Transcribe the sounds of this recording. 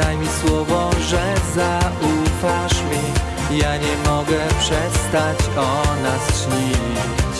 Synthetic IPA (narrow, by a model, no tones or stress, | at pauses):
ajmʲiswɔvɔʐɛzaufaʂmʲi | jaɲɛmɔɡɛpʂɛst̪at͡ɕɔnast͡ʂɲii